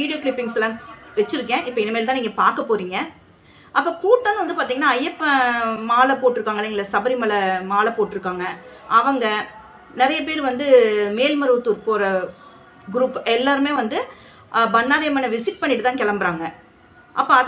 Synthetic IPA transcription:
iːɽɪjoːkɭɪpːɪŋslãːʋɛt͡ʃːɪɾɯkːẽːʔɪpːɐɪnːɐmeːlt̪ãːniːŋɡɐpaːɾkɐpːoːɾiːŋɡɐ | ʔɐpːoːkuːʈːaːnɯʋɐnd̪ɯp̬aːɾt̪iːŋɡɐnːaːɐjːɛpːmaːlɐpoːʈːɪɾɯkːaːŋɡɐlɐŋɡɐɭsɐbɐɾimɐɭɐmaːlɐpoːʈːɪɾɯkːaːŋɡɐ | ʔɐʋɐŋɡɐ | nɪɾɐjɐp̬eːɾʋɐnd̪ɯmeːlmɐɾɯt̪ːuɾpoːɾɐ | ɡɾuːpːɛlːaːɾɯmeːʋɐnd̪ɯ | bɐnːaːɾɪjɐmɐːnɐʋɪsɪk̚pɐɳːɪʈɯt̪ãːkɛɭɐmbɐɾaːŋɡɐ | ʔɐpːoɐð

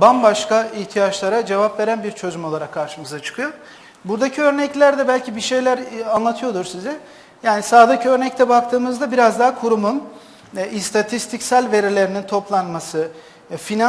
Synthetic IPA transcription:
banbaʃkaiçt̪ʰijat͡ʃlˠaɾad͡ʒe̞vapve̞ɾænbiɾt͡ʃʰo̞zumo̞lˠaɾakʰːaɾʃɯmɯzat͡ʃʰɯ̥kʰɯjo | buɾd̪acʰiø̞ɾnɛclʲæɾd̪ɛbælʲcʰibiʃe̞jlʲæɾanlˠat̪ʰɯjo̞d̪uɾsizɛ | jaːnisaːd̪ɯcø̞ɾnɛc̚t̪ʰɛbak̚t̪ʰɯːmɯzd̪abiɾazd̪aɦkʰuɾumun | ist̪ʰat̪ʰist̪ʰicsælʲve̞ɾilʲe̞ɾinint̪ʰo̞plˠanmasɯ | fina

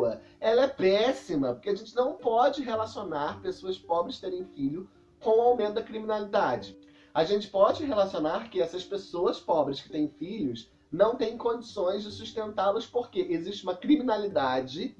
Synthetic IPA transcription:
ɐ | ɛlɐɛpɛsimɐpoɾkeaʒẽnt͡ʃɪnɐ̃w̃pɔd͡ʒɪɦelasionaɾpesoɐspɔbɾɪskt̪eɾẽj̃fiʎʊ | kõw̃ʊawmẽnt̪ʊd̪ɐkɾiminalid̪ad͡ʒɪ | aʒẽnt͡ʃɪ̥pɔd͡ʒɪɦelasionaɾkɪɛsɐspesoɐspɔbɾɪskɪt̪ẽj̃fiʎʊs | nɐ̃w̃t̪ẽj̃kõd͡ʒisõj̃zd͡ʒɪsuʃt̪ẽnt̪alɐspoɾkeʔeziʃt͡ʃɪũmɐkɾiminalid̪ad͡ʒɪ

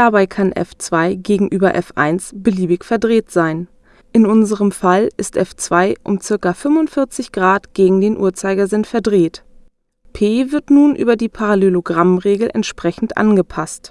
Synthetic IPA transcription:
d̥abaɪkʰanʔɛ̰ft͡sv̥aɪɡeːɡŋ̩ʔyːbɐʔɛfʔa̰ɪnsb̥əliːbɪçfɛɐdʁeːtz̥aɪn | ʔɪnʊnzəʁəmfalɪ̰stʔɛft͡sv̥aɪʔʊmt͡sɪɐkafʏmʊntfɪɐt͡sɪçɡ̥ʁaːtɡ̥eːɡŋ̩deːnʔṵːɐt͡saɪɡɐzɪnfɛɐdʁeːt | pʰeːvɪɐtnuːnʔy̰ːbɐdiːpʰaʁaleloɡʁamʁeːɡl̩ʔɛ̰ntʃpʁ̥ɛçn̩tʔa̰nɡəpʰast

